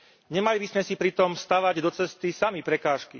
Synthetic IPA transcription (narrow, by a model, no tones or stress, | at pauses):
ɲɛmalibismɛsipɾit̪ɔmfst̪aʋaɟd̪ɔt͡sɛst̪isamipɾɛkaːʃki